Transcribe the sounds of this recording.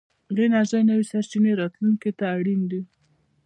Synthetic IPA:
ɣenaʒajnəwisaɾt͡ʃineɾɑt̪luŋket̪aːɽind̪i

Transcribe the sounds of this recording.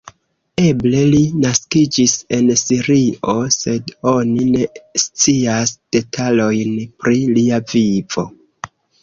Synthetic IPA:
e̞ble̞linaskid͡ʒise̞nsiɾio̞se̞do̞nine̞st͡siasd̥e̞tʰalo̞jnpɾiliaviv̥o̞

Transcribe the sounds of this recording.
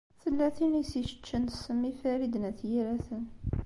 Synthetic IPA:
θəlːæθinisiʃə̥t͡ʃːənəsəmːifæɾid̪næθjiɾæθən

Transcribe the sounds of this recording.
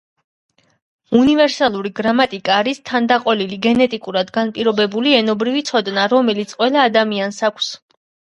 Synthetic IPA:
univɛɾsalˠuɾiɡɾamat̪ʼikʼaːɾist̪ʰand̪aqʼɔliliɡɛnɛt̪ʼikʼuɾad̪ɡanpʼiɾɔbɛbuliɛnɔbɾivit̪sʰɔd̪naɾɔmɛlit̪sʼqʼwɛlˠaːd̪amiansakʷʰs

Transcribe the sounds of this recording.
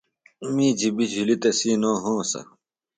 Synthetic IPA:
umiːd͡ʑibid͡ʑʱulit̪ɐsiːnoːɦõːsɐ̰

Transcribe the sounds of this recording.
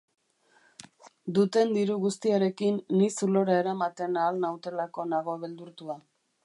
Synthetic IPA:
d̪ut̪e̞nd̪iɾuɣust̪iaɾe̞kinːisulo̞ɾaeɾamat̪e̞naːlnawt̪e̞lako̞naɣ̞o̞βe̞ld̪uɾt̪ua

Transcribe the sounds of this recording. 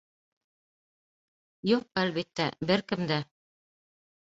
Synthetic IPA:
juq̚ælβit̪ːæ̰bɘɾkɘ̆md̪æ

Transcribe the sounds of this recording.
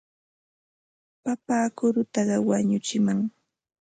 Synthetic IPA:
papaːkʊɾʊt̪ɑɢɑwaɲʊt͡ʃɪmaŋ

